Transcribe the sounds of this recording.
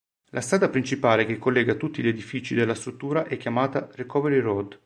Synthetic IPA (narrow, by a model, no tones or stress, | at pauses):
lʔast̪ɾaːd̪apɾint͡ʃipaːlekekːolːɛːɡat̪ut̪ːiʎed̪ifit͡ʃid̪elːast̪ɾut̪ːuːɾaʔɛkʲːjamaːt̪arekɔveɾirɔd̪